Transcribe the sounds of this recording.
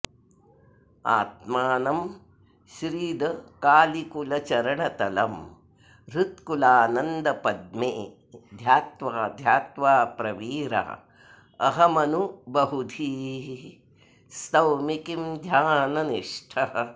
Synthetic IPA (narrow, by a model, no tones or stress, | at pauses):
a̰ːt̪̚maːnɐm | ʃɾiːd̪ɐkaːlikulɐt͡ʃɐɾɐɳɐt̪ɐlɐm | ɾut̪kulaːnɐnd̪ɐpɐd̪̚meː | d̪ʱjaːt̪ʋaːd̪ʱjaːt̪ʋaːpɾɐʋiːɾa̰ɐ̰ | ɐɦɐmɐnubɐɦud̪ʱiː | st̪ɐwmikimd̪ʱjaːnɐniʂʈʰɐɦɐ